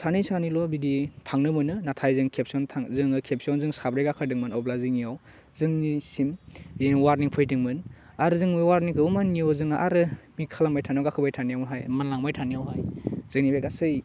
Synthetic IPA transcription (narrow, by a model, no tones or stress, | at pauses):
sʰanijsanilɔbiditʰaŋnɯmɯnɯnatʰajzɯŋkʰep̚sɔntʰaŋzɯŋɯkʰep̚siɔnzɯŋsabɾejɡakʰɯɾdɯŋmɯnɔblaziŋiaw | zɯŋnisimiwaɾniŋpʰɯjdɯŋmɯn | aɾɯzɯŋmɯwaɾniŋkʰɯbɯmaniɔzɯŋaʔaɾɯmikʰalaŋmajtʰaniawɡakʰɯbajtʰanijawmɯɦajmanlaŋmajtʰanijawɦajz̥ɯŋnibekasɯj